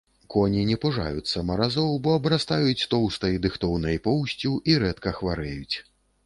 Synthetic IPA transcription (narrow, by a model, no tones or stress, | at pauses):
kɔnʲinʲɛpuʐa̰jut͡sʲsːɐmɐɾazɔwbɔɐbɾast̪ajut͡sʲt̪ɔwst̪ɐjd̪ɨxt̪ɔwnɐjpɔwsʲt͡sʲuʔiɾɛt̪kɐxvaɾɛjut͡sʲ